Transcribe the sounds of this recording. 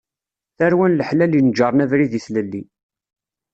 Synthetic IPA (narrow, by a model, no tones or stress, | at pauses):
θæɾwænləħlælinəd͡ʒɑɾˤnævɾiðiθləlːi